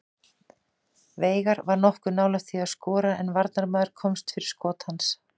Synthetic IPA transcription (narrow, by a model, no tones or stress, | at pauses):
veːjɣaɾvaɾnɔhkʏnaːwlaθʰiaðskɔːɾaʔɛnvaɾt̪naɾmœðʏɾ̥kʰɔmst̪fɪɾɪ̥skɔːt̪hans